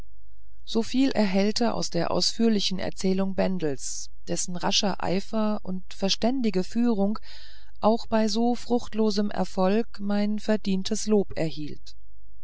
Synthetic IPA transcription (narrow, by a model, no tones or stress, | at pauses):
z̥oːfiːlʔɛ̰ɐɦɛltəʔa̰ʊsd̥eːɐʔa̰ʊsfyːɐlɪçn̩ɛ̰ɐt͡sɛːlʊŋbɛndl̩s | d̥ɛsn̩ʁaʃɐʔa̰ɪfɐ | ʔʊntfɛɐʃtɛndɪɡəfyːʁ̞ʊŋ | ʔaʊxb̥aɪzoːfʁ̥ʊxtloːzəmʔɛ̰ɐfɔlkmaɪnfɛɐdiːntʰəsloːpɛɐhiːlt